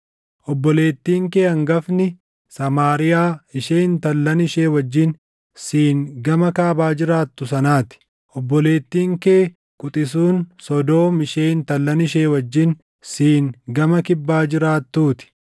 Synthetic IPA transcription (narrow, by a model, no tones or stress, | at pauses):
ʔɔbːɔle̞ːt̪ːiːŋke̞ːɐŋɡɐfnɪ | sɐmaːɾɪjaːɪʃeːnt̪ɐlːɐnɪʃe̞ːwɐd͡ʒːɪn | siːŋɡɐmɐkaːbaːd͡ʒɪɾaːt̪ːʊsɐnaːt̪ɪ̥ | ʔɔbːɔle̞ːt̪ːiːŋkeː | kʼʊt̪ʼɪs̬uːnsɔd̪o̞ːmɪʃeːnt̪ɐlːɐnɪʃe̞ːwɐd͡ʒːɪn | siːŋɡɐmɐkɪbːaːd͡ʒɪɾaːt̪ːuːt̪ɪ̥